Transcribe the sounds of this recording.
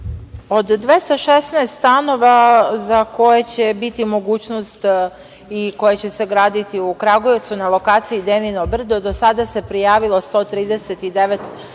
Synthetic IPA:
o̞d̪ːʋest̪aʃesnɛest̪t̪ano̞ʋazako̞jet͡ɕe̞bit̪imo̞ɡuːt͡ɕnost̪ | iko̞jet͡ɕe̞se̞ɡɾaːd̪it̪iukɾaɡojet̪sunalˠo̞kaːt̪sijid̪eninobr̩d̪od̪o̞sad̪ase̞pɾijaːʋilˠo̞st̪o̞ːt̪ɾiːd̪eset̪id̪eʋet̪

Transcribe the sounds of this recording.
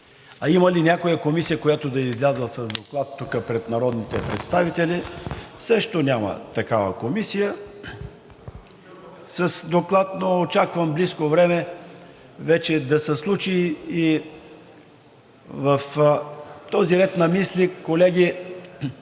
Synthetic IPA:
ɐimɐlinʲakojəkomisijəkojat̪od̪ɐizlʲazəsɐzd̪oklˠat̪ːukəpɾɛt̪nɐɾɔd̪nit̪ɛpɾɛ̰t̪st̪avit̪ɛlisəʃt̪onʲamə̰t̪ɐkavəkomisijə | sɐsd̪oklˠat̪noot͡ʃakvəmbliskovɾɛmɛ | vɛt͡ʃɛd̪ɐsɛslˠut͡ʃiː | vɐf | t̪ɔziɾɛt̪nɐmislikolɛɡʲi

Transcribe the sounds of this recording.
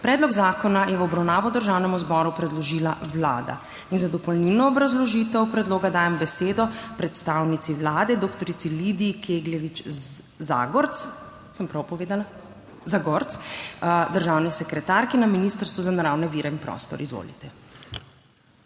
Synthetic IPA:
pɾɛːd̪lɔɡzaːkɔnajɛwɔbɾawnaːʋɔd̪əɾʒaːwnɛmuzbɔɾupɾɛd̪lɔʒiːlawla̰ːd̪a̰ | inzad̪ɔpɔlnilnɔːbɾazlɔʒiːt̪ɛwpɾɛd̪loːɡad̪aːjɛmbɛseːd̪ɔpɾɛt̪st̪awnit̪siʋlaːd̪ɛd̪okt̪ɔɾit̪silid̪ikʰeɡlʲjɛʋit͡ʃ | za̰ɡɔɾt̪s | səmpɾawpɔʋeːd̪ala | zaɡɔɾt̪s | d̪əɾʒaːwnisɛkɾɛt̪aɾkinaminist̪əɾst̪ʋuzanaɾaːwnɛʋiːɾɛinpɾɔ̰ːst̪ɔ̰ɾizʋo̰ːlḭt̪ɛ

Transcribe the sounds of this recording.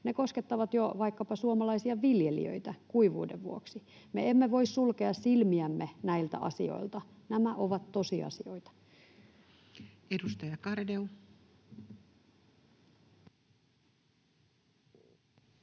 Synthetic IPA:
nekosket̪ːɑʋɑt̪joʋɑikːɑpɑsuomɑlɑisiɑʋiljelḭø̰it̪ækuiʋṵːdeʋʋuoksi | meemːeʋo̞issulkeɑssilmiæmːenæilt̪æ̰ʔɑ̰sḭo̞̰ilt̪ɑ | næmæʔoʋɑt̪t̪osiɑ̰sio̞̰it̪ɑ̥ | edust̪ɑjɑkɑrdeu

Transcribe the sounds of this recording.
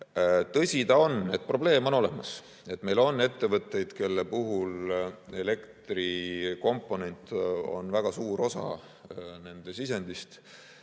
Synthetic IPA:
t̪ɤsʲit̪ɑo̞ne̞t̪̚pro̞ble̞ːmo̞no̞le̞mɑs | e̞t̪ˑme̞jlo̞nːe̞t̪ːe̞vɤt̪ˑːe̞jd̪̥ke̞lːe̞puɦule̞le̞kt̪riko̞mpːˑo̞ne̞nʲt̪ˑo̞̰nvæɡ̥ɑsuːɾo̞sɑ̰ | ne̞nd̪̥e̞sisenʲd̪̥ist̪

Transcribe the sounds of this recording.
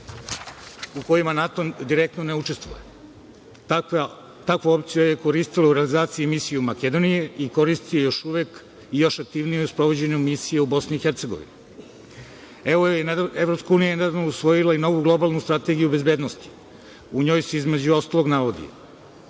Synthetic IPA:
uko̞imanat̪o̞d̪iɾek̚t̪none̞ut͡ʃe̞st̪ʋṵje | t̪akʋoopt̪sijojeko̞ɾist̪ilauɾealizaːt̪siimisijɛmake̞d̪o̞nije̞iko̞ɾist̪ijejo̞ʃuʋek | ijo̞ʃak̚t̪iʋnijeuspɾo̞ʋo̞d͡ʑeɲumisijeubo̞sniːxeɾt̪se̞ɡo̞̰ʋḭni | eojeevɾo̞pskauːnijaned̪aʋnousʋo̞jilˠaino̞ʋuɡlˠo̞balˠnust̪ɾat̪e̞ɡijube̞zbe̞ːd̪nost̪i̥ | uɲo̞ːjseizme̞d͡ʑuo̞st̪alˠo̞ɡnaʋo̞d̪ḭo̰

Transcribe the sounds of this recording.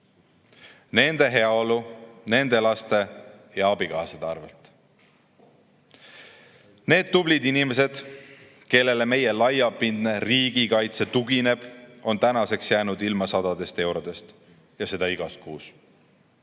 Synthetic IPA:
ne̞nd̪̥e̞ɦe̞ɑo̞lune̞nd̪e̞lɑst̪e̞ | jɑɑbikɑːsed̪ɑrvḛlt̪ | ne̞ːd̪̥̚t̪ːublid̪inime̞se̞d̪̥ | ke̞lːe̞le̞me̞jelɑjɑpːind̪ne̞riːɡikɑjt̪se̞t̪uɡine̞b̥o̞nt̪ænɑse̞ksjæːnud̪ilmɑsɑd̪ɑd̪̥e̞st̪e̞wɾo̞d̪̥e̞st̪ | jɑse̞d̪ɑiɡ̥ɑskuːs

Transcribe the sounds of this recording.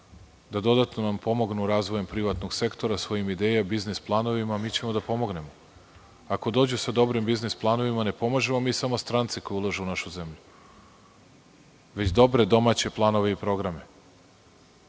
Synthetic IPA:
d̪ad̪o̞d̪at̪no̞nampo̞mo̞ɡnuɾaːzʋo̞jempɾiʋat̪no̞ɡse̞kt̪o̞ɾasʋo̞jimid̪eːjabiznisplˠaːno̞ʋimamiːt͡ɕe̞mo̞d̪apo̞mo̞ɡne̞mo̞ | ako̞d̪o̞ːd͡ʑusad̪o̞bɾimbiznisplˠaːno̞ʋimane̞po̞maʒe̞mo̞miːsamo̞st̪ɾant̪si̥kojulˠaʒeunaʃuze̞mʎu | ʋe̞t͡ɕd̪o̞bɾe̞d̪o̞mat͡ɕe̞plˠaːno̞ʋe̞ipɾo̞ɡɾame̞

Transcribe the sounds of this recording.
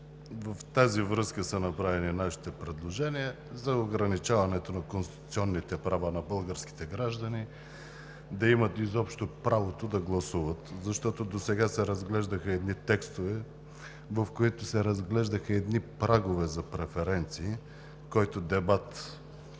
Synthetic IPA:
vəft̪azivɾɤskəsɐnɐpɾavɛninaʃi̥t̪ɛpɾɛd̪lˠoʒɛniə | zɐoɡɾɐnit͡ʃavɐnɛt̪onɐkonst̪i̥t̪ut̪sʲiɔnːit̪ɛpɾavanɐbɤlˠɡəɾsk̟i̥t̪ɛɡɾaʒd̪ɐni | d̪ɐimət̪izɔpʃt̪opɾavot̪od̪ɐɡlˠɐsuvət̪zɐʃt̪ɔt̪od̪osɛɡasɛɾɐzɡlɛʒd̪əxɐɛd̪nit̪ɛkst̪ovɛ | vɐfkoit̪ʊsɛɾɐzɡlɛʒd̪əxəɛd̪nipɾaɡovɛzɐpɾɛfɛɾɛnt̪siː | kɔjt̪od̪ɛbat̪

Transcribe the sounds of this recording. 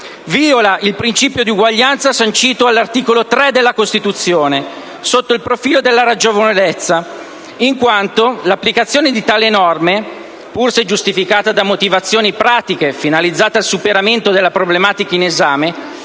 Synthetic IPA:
viːolaʔilpɾint͡ʃiːpjod̪iuɡwaʎːant̪sasant͡ʃiːt̪oalːart̪iːkolot̪ɾɛd̪elːakost̪it̪ut̪sːjoːne | sot̪ːoilpɾofiːlod̪elːaɾad͡ʒovonlet̪sːa | iŋkwant̪olapːlikat̪sːjoːned̪it̪aːlenɔrme | pursed͡ʒust̪ifikaːt̪ad̪amot̪ivat̪sːjoːnipɾaːt̪ikefinalid̪zːaːt̪alsupeɾament̪od̪elːapɾoblemaːt̪ikainezaːme

